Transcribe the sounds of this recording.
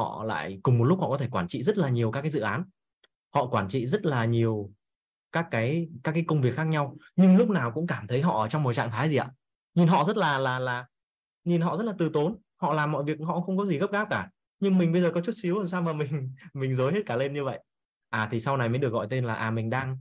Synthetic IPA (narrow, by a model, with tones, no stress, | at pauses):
ɔ̰˧˨la̰ː˧˨jkʊ˨˩ŋ͡mmo˨˩lʊ˦˥hɔ̰˧˨kɔ˨˦e˧˩kwaː˧˩nt͡ɕḭ˧˨zə˦˥t̚laː˨˩ɲi˨˩əwkaː˦˥kːaː˨˦jzɨ̰˧˨ʔaː˨˦n | hɔ̰˧˨kwaː˧˩nt͡ɕḭ˧˨zə˦˥t̚laː˨˩ɲi˨˩əw | kaː˦˥kːaː˨˦jkaː˦˥kːaː˨˦jkə˧wŋ͡mvi˨˩əkxaː˦˥k̚ɲa˧wɲɨ˧ŋlʊ˦˥k͡p̚naː˨˩wkʊ̰˧˥ŋ͡mkaː˧˩mt̪ʰə˨˦jɦɔ̰˧˨ʔəː˧˩t͡ɕɔ˧wŋ͡mmo˨˩t͡ɕa̰ː˧˨ŋt̪ʰaː˨˦jzi˨˩aː˧˩ | ɲi˧˨˩nɦɔ̰˧˨zə˦˥t̚laː˨˩laː˨˩laː˨˩ | ɲi˨˩nɦɔ̰˧˨zə˦˥t̚la˨t̪ɨ˨˩t̪o˨˦n | hɔ̰˧˨laː˨˩mːɔ̰˧˨jvi˨˩ək̚hɔ̰˧˨xə˧wŋ͡mkɔ˨˦zi˨˩ɣə˦˥p̚ɣaː˦˥p̚kaː˧˩ | ɲɨ˧ŋmï˨˩ŋ̟ɓə˧jzəː˨˩kɔ˨˦t͡ɕu˦˥t̚si˨˦wzə˨˩nsaː˧wmaː˨˩mï˨˩ŋ̟mï˨˩ŋ̟zo˨˦jhe˦˥t̚kaː˧˩le˧nɲɨ˧və̰˧˨j | ʔaː˨˩t̪ʰi˨˩sa˧wna˨˩jmə˨˦ɗɨ˨˩ək̚ɣɔ̰˧˨jt̪e˧nlaː˨˩ʔaː˨˩mï˨˩ŋ̟ɗaː˧ŋ